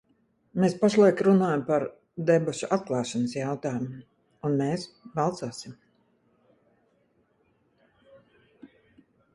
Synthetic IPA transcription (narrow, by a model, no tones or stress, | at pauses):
meːspaʃlˠajkɾunaːjampaɾ | d̪ɛbuʃuʔat̪̚klˠɑːʃanəsjawt̪aːjumu | unmeːsbalˠt̪suːsim